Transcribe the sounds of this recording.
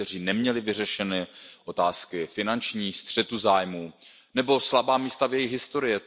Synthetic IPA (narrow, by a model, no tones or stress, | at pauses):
ɛr̝iːnɛmɲɛlɪvɪrɛʃɛnɛʔo̞t̪aːskɪfɪnant͡ʃɲiːst̪r̝̥ɛt̪uzaːjmuː | nɛbo̞slabaːmiːst̪avjɛjɪɣɦɪst̪o̞ɾɪjɪ